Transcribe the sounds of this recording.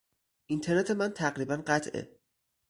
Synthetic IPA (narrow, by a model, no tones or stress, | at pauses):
ʔint̪ʰe̞ɾnet̪ʰe̞mænt̪ʰæɣɾiːbænɢæt̪ʰḛ